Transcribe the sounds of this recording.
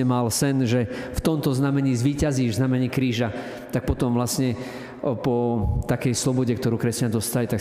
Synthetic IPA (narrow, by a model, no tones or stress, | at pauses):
ɛmalsɛnʒɛft̪ɔmt̪ɔznamɛɲiːzʋiːcaziznamɛɲiːkɾiːʒa | t̪ak̚pɔt̪ɔmvlasɲɛ | pɔt̪akɛjslɔbɔɟɛkt̪ɔɾuːkɾɛscand̪ɔst̪alit̪ak